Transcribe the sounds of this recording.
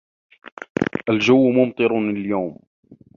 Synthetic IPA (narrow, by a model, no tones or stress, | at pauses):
ʔald͡ʒawːmʊmt̪ˤɨɾljawm